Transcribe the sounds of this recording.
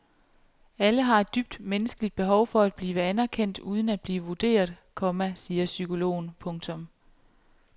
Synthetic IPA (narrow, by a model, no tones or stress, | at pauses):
æləɦɑ̈e̝d̥ːyb̥̚d̥menəsɡ̥əlid̥̚b̥e̝ɦɒ̽ʊfɒ̽æd̥̚b̥liːʋəænæɐkʰen̰d̥uːð̞ˠn̩æd̥̚b̥liːʋəʋud̥e̝̰ːɐðˠkʰɒ̽mæsiːɐsykʰo̝lo̝̰ːnpʰɔ̽ŋt͡sʰɔ̽m